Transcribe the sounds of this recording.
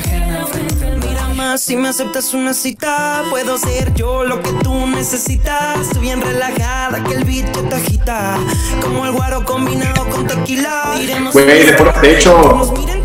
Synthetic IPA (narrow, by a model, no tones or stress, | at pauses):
miɾamasːimease̞p̚t̪asunasit̪apwe̞ðoseɾʝo̞lo̞ke̞t̪une̞se̞sit̪asβjenrelaxaðakelβit͡ʃot̪axit̪a | ko̞moelɣwaɾo̞ko̞mbinaðokont̪akila | iɾemwejðepoɾat̪et͡ʃomiɾe